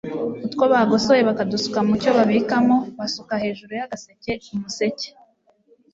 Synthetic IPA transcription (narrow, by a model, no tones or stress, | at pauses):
utkoβaɡo̞sojeβakadusu̥kamuco̞βaβikamo̞βasukahe̞ːʒuɾujaɡasece̞umuse̞ce̥